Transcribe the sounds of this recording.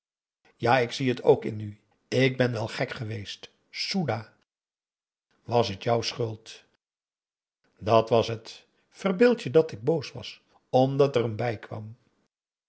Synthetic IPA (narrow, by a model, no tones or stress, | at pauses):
jaːɪksiɦətʰo̰wkɪ̰ny | ɪɡ̚bɛnʋɛlˠχɛkχəʋejst | sudaː | ʋɑsɦətjʌwsχʏlˠt | dɑtʋɑsɦət | fərbɪlˠtjədɑtɪɡ̚bowsʋɑ̰s | ɔmdɑtɛrəmbɛjkʋɑ̰m